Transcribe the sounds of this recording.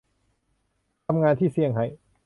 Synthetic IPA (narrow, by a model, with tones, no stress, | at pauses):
t̪ʰa˧mŋaː˧nt̪ʰiː˥˩si˧˩əŋɦa˧˩j